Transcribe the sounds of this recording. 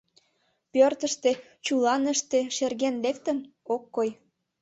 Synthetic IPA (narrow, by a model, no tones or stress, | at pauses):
pørt̪əʃt̪e | t͡ɕulɑnəʃt̪eʃerɣenlekt̪ə̆nokːoj